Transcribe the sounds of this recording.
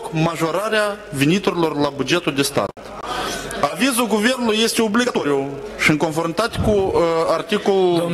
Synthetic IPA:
kmaʒoɾaɾeavinit̪oɾilo̞rlabud͡ʒet̪uld̪est̪a̰t̪ | avizuɡuvernulˠujest̪eobliɡat̪oɾiuʃiɨŋkonfoɾmit̪at̪ʲe̥kuart̪ikolu

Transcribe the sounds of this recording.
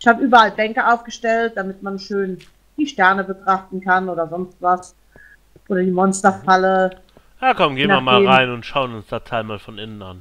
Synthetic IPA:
ɪçhaːbəʔyːbɐʔalbɛŋkəʔaʊfɡ̥əʃtɛlt̚d̥amɪtmanʃøːn | d̥iːʃtɛɐnəbətʁ̥aχtn̩kʰanʔoːdɐzɔnstv̥as | ʔoːɾɐdiːmɔnstɐfalə | jaːkʰɔmɡeːnaiɐmaːlːʁaɪnʊntʃaʊənʊnsd̥atʰaɪlmaːlfɔnɪnəna̰n

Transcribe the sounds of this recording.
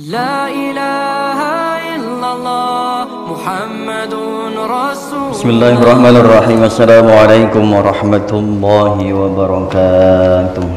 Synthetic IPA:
laʔɪlahaʔɪlː | amː | bɪsmɪlːaːharˤːɑħmaːnarˤːɑħiːmasːalaːmuʕalajkʊmwɑɾˤɑħmat̪ʊlˤːɑːɦiwabaɾˤɑkat̪ʊ

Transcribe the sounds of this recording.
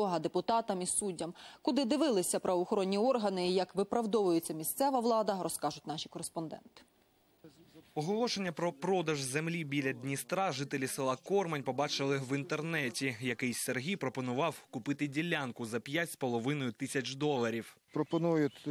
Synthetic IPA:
ɔɦɐd̪epʊt̪ɑt̪ɐmisudʲːɐmkʊd̪ɪd̪ɪʋɪlˠɪsʲɐpɾʔɐʋɔxɔɾɔnʲːiɔrɦɐnɪjɐkʋɪpɾɐʋd̪ɔʋʊjʊt͡sʲːɐmʲisʲt̪sɛʋɐʋlˠɑd̪ɐɾɔskɑʒʊtʲnɑʃikɔɾespɔnd̪ɛ̰nt̪ɪ̥ | ɔɦɔlˠɔʃe̞nʲːɐpɾɔpɾɔd̪ɐʒzemlʲibʲilʲɐd̪ʲnʲist̪ɾɑʒɪt̪elʲisɪlˠɐkɔrmɐnʲpɔbɑt͡ʃɪlˠɪʋint̪ernɛtʲijɐkɪjserɦʲijpɾɔpɔnʊʋɑwkʊpɪt̪ɪdʲilʲːankʊzɐpʲjatʲspɔlˠɔʋɪnɔjʊt̪ɪsʲɐt͡ʃd̪ɔlˠɐɾʲiwpɾɔpɔnujʊt̪ʲ

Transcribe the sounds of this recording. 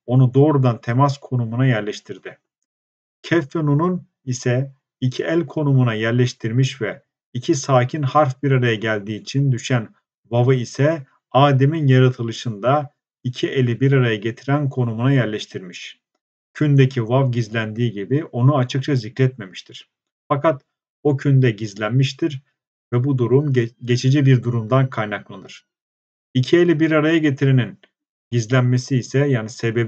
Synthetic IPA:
o̞nud̪o̞ːɾud̪ant̪ʰemaskʰo̞numunajæɾlʲɛʃt̪ʰiɾd̪ɪ | cʰɛfːenunun | isɛ | icʰiʔælʲkʰo̞numunajæɾlʲɛʃt̪ʰiɾmiʃvɛ | icʰisaːcʰinhaɾfbiɾaɾajaɟælʲd̪iːt͡ʃʰind̪yʃæn | vavɯisɛ | aːd̪eminjaɾat̪ʰɯlˠɯʃɯnd̪a | icʰiʔe̞lʲibiɾaɾajaɟe̞t̪ʰiɾænkʰo̞numunajæɾlʲɛʃt̪ʰiɾmiʃ | cʰynd̪ecʰivavɟizlʲænd̪iːɟibiʔo̞nuat͡ʃʰɯk̚t͡ʃʰazicɾɛt̪me̞miʃt̪ʰiɾ̥ | fakat̪ | ocʰynd̪ɛɟizlʲænmiʃt̪ʰiɾ | vɛbud̪uɾumɟe̞t͡ʃʰed͡ʒibiɾd̪uɾumd̪ankʰajnaklˠɯd̪ɯɾ̥ | icʰielʲibiɾaɾajaɟe̞t̪ʰiɾenin | ɟizlʲænme̞siːsɛjaːnise̞be̞b

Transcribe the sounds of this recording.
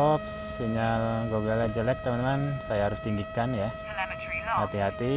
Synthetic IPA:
ɔps | iŋalɡoɡalad͡ʒolɛt̪̚ːəmanəmansajaɦaɾʊst̪iŋɡikanja | hat̪iɦat̪i

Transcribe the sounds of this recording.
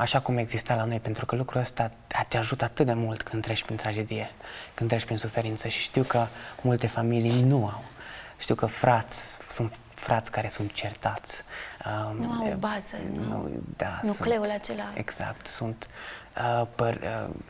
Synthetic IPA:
aʃakume̞ɡzist̪alano̞jpe̞nt̪ɾukəlukɾuəst̪a | at̪eaʒut̪əat̪ɨt̪̚d̪e̞mult̪kɨnd̪t̪ɾeʃʲpɾint̪ɾad͡ʒe̞d̪ije̞kɨnɾeʃʲpɾinsufe̞ɾint̪səʃi̥ʃt̪iwkəmult̪e̞familijnuawʃt̪iwkəfɾʔat̪sʲsunt̪ | fɾat̪sʲkaɾe̞sunt̪̚t͡ʃe̞rt̪at̪sʲənuawbazənṵd̪a̰nukleulat͡ʃelaḛɡz̥a̰kt̪sunt̪əpərə̰

